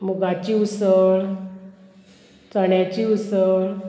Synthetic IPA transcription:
muɡat͡ɕiusəɭ | t͡səɳjat͡ɕiusəɭ

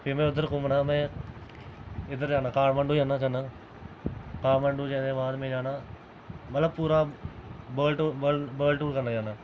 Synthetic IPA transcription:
pʰɪmẽːʊd̪əɾkʊ̃mɳãːmɛ̃ː | ɪd̪əɾd͡ʒaːnaːkaːɾmə̃ɳɖuːd͡ʒaːnaːt͡ʃaːnaː | kaːɽməɳɖuːd͡ʒɛ̃ːd̪ẽːʋaːnmẽːd͡ʒaːnaː | mət̪ləbpuːɾaːbəːlʈːəbəːlʈuːɾkənaːd͡ʒaːnaː

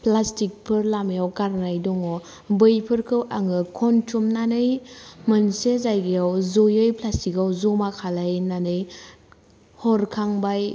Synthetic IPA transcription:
plastik̚pʰɯɾlamjawkaɾnajdɔŋɔ | bɯjpʰɯɾkʰɯwʔaŋɯkʰɔntʰumnanɯjmɯnsezajɡejawzojɯjpʰlastikawzomakʰalajnanɯj | hɔɾkʰaŋbaj

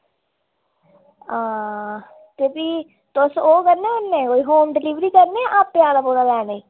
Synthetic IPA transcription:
ãː | t̪eːpiː | t̪ʊsoːkəɾneːənːẽːkoːiːɦoːmɖɪliːʋɾiːkəɾneɛːʔaːpːjaːlaːpoːɽalɛːneiː

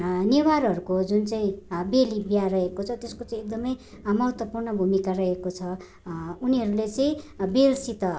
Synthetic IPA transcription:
newaɾɦʌɾukod͡zunt͡saĩbelibjarʌɦekot͡sʰʌt̪eskot͡saĩek̚d̪ʌmʌj | mʌɦʌt̪wʌpurnʌbʱumikarʌekot͡sʰʌ | uniɦʌɾulet͡sʌĩbelsit̪ʌ

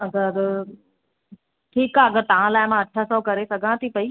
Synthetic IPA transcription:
ɐɡəɾ | ʈʰiːkaːɐɡəɾt̪ɐʋ̤ãlaːɪmãɐʈʰasɔkɐɾesɐɡʱãt̪ʰipɐiː

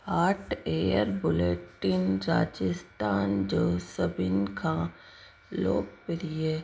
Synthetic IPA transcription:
aːʈʰeːjəɾbʊleːʈːɪnɾa̰ːd͡ʒɪst̪aːnd͡ʒoːsəbɪnkʰã | lo̰ːɡ̚pɪɾieː

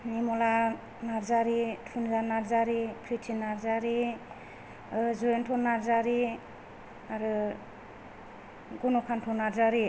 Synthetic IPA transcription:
nimɔla | naɾzaɾitʰunzanaɾzaɾipʰɾitʰinaɾzaɾi | zɔentʰɔnaɾzaɾi | aɾɯ | ɡunɔkʰantʰɔnaɾzaɾi

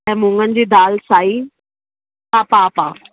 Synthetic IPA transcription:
ɛ̃ːmʊ̃ŋɡənɪ̆d͡ʑiːd̪aːlsaːi | aːpapa

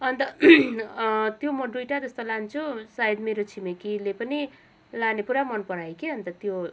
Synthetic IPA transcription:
ʌnt̪ʌ | t̪jomʌɖruʈad͡zʌst̪olant͡sʰusaid̪meɾot͡sʰimekilepʌni | lanepuɾamʌnpʌɽajkeʌnt̪ʌt̪jo

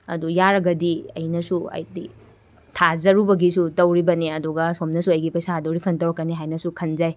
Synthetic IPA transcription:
ɐ̰dujaɾɐɡɐdiɐ̰jnɐsuɐ̰jdi | tʰazɐɾubɐɡisutɐwɾibɐneɐduɡɐsomnɐsuɐjɡipɐjsadowɾipʰɐntɐwɾɐkːɐniɦajnɐsukʰɐnzaj

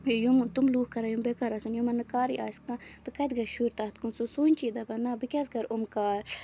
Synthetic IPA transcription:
jumt̪umluːkkɐɾajumbekaɾasɐnjumɐnɨkaːɾḭa̰ːskãt̪ɨkɐt̪ɡɐʃuːɾt̪aːt̪̚kunsusuːnʲt͡ʃiːd̪ɐbɐnabikʲas̬ɡɐɾumkaːl

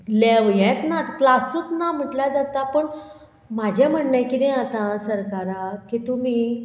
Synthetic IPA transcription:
leʋjɛt̪nat̪klasut̪nam̤əʈlad͡zat̪apəɳ | mad͡ʑʱjam̤əɳnajkid̪ɛ̃at̪ãsəɾkaɾakit̪um̤iː

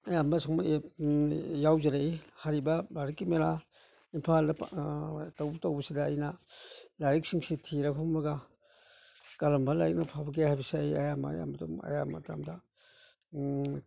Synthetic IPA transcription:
ɐjambɐsɔŋma | jawzeɾeihaɾibɐbaɾikːimeɾa | impʰaldɐptawbɐtawbɐsidaːjnɐlaɾik̚siŋsitʰiɾakʰɔmɐɡa | kaɾɐmbɐlaɾik̚nɐpʰabɐk̬ehajbisajɐjama̰ja̰mɐtumɐ̰jamɐ̰tamdɐ

